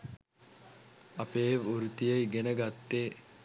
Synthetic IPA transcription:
ɐpeːʋoɾut̪ijeiɡenəɡat̪ːeː

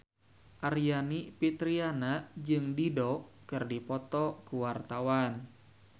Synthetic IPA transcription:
ʔarijanipit̪ɾianaʔd͡ʒɨŋdidɔkɨrdipɔt̪ɔkuwart̪awan

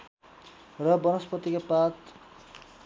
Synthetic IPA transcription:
rʌbʌnʌspʌt̪ːikapat̪

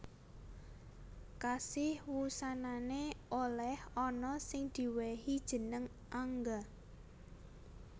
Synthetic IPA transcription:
kasɪhwusananeʔolɛhɔnɔsɪŋd̪̥i̤wehid̥ʒ̥ə̤nəŋ | ʔaŋɡa

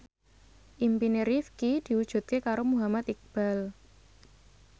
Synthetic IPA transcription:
ʔimpineɾifkid̪̥i̤wud̥ʒ̥ṳt̪̚kekaɾomuɦamat̪ik̚b̥a̤l

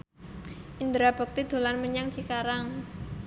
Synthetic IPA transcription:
ʔind̪ɾab̥ɔ̤k̚t̪id̪̥o̤lanməɲaŋt͡ʃikaɾaŋ

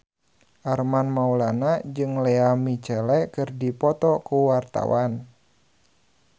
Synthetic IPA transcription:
ʔarmanmaulanad͡ʒɨŋlɛamit͡ʃɛlɛkɨrdipɔt̪ɔkuwart̪a̰wan

